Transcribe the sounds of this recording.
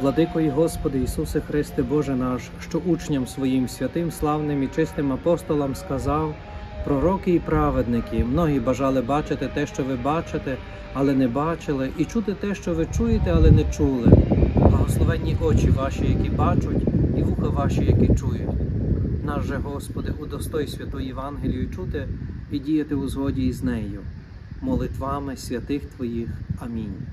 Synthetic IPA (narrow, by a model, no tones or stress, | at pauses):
ʋlˠɐd̪ɪkɔjiɦɔspɔd̪ɪisusɪxɾɪst̪ɪbɔʒɛnɑʃʃt͡ʃɔʔut͡ʃnʲɐmsʋɔjimsʲʋʲɐt̪ɪmslˠɑwnɪmit͡ʃɪst̪ɪmɐpɔst̪ɔlˠɐmskɐzɑw | pɾɔɾɔkɪipɾɑʋed̪nɪkʲimnɔɦibɐʒɑlˠɪbɑt͡ʃɪt̪ɪt̪ɛʃt͡ʃɔʋɪbɑt͡ʃɪt̪ɛ | ɐlˠɛnɛbɑt͡ʃɪlˠɪʔit͡ʃut̪ɪt̪ɛʃt͡ʃɔʋɪt͡ʃujet̪ɛɐlˠɛnɛt͡ʃulˠɪblˠɐɦɔslˠɔʋɛnʲːiʔɔt͡ʃʲiʋɑʃijɐkʲibɑt͡ʃʊtʲiʋuxɐʋɑʃijɐkʲit͡ʃujʊ̰tʲnɑʒɛɦɔspɔd̪ɪʔud̪ɔst̪ɔjsʲʋʲɐt̪ɔjʊjɪʋɑnɦelʲijʊt͡ʃut̪ɪidʲijɐt̪ɪʊzɦɔdʲiːznɛjʊ | mɔlˠɪt̪ʋɑmɪsʲʋʲɐt̪ɪxt̪ʋɔjixɐmʲinʲ